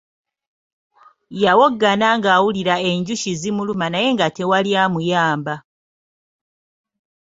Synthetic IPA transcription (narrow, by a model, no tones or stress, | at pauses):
jawoɡːanaŋɡaːwuliɾae̞ɲɟuʃizimulumanaje̞ŋɡate̞waljaːmujaːmba